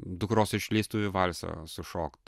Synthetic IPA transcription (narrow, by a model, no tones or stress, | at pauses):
d̪ʊkɾoːsɪʃʲlʲiːst̪uʋʲɪʋɐlʲsɐ̰sʊʃoːkt̪